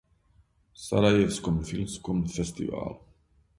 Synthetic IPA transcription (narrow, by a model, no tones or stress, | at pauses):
sa̰ɾaevskɔmfilmskɔmfɛst̪ɪva̰ːl